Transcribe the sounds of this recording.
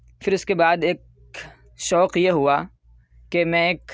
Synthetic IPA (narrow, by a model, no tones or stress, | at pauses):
fɪɾʊskebaːd̪eːk̚ | ʃɔːqjeɦua | kemɛ̃eːk